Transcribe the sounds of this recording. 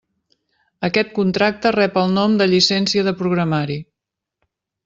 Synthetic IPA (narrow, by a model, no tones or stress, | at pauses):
əkɛt̪̚kunt̪ɾak̚t̪ərɛpəlˠnɔmd̪əʎisɛnsiəðəpɾuɣɾəmaɾi